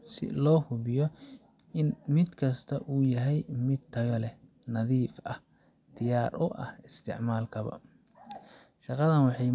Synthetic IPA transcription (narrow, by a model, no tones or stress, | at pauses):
sɪ̰lɔːhʊβɪjɔ | ɪnmɪd̪kʰɐst̪ʰɐʔuːjɐɦɛjmɪd̪̚t̪ʰɐɣɐlɛ | nɐðiːfɐh | d̪̥ɪjaːrʔʊʔɐ̰hɪst̪ʰɪ̰ʕmaːlkʰɐβɐ̰ | ʃɑqɑðɐnwɑħɑj